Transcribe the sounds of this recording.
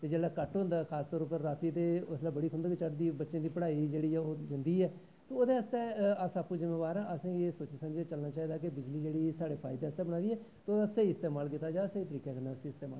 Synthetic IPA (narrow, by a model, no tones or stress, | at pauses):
t̪eːd͡ʒeːlaːkəʈɦʊ̃nd̪aːkʰaːst̪ɔːɾʊpːəɾːaːt̪iːt̪eːʊslaːbəɽiːkʰʊ̃nd̪aːket͡ʃəʈd̪iːbətːʃẽːd̪iːpəɽaːid͡ʒeːɽiːɛoːd͡ʒɪnd̪iːɛː | t̪oːoːd̪eːəst̪ɛːəsapːũːd͡ʒɪmeːbaːɾãːʔəsĩːeːsoːt͡ʃesəmd͡ʒet͡ʃəlnaːt͡ʃaːiːd̪aːkɪbɪd͡ʒliːd͡ʒeːɽiːsaːɽeːpʰa̰ːɪd̪eːəst̪ɛːbəɽ̃aːd̪iːɛː | t̪ːoːasəiːɪst̪eːmaːlkɪt̪ːaːd͡ʒaːsəiːt̪əɾiːkɛːkəɾnaːəsĩːɪst̪eːma̰ː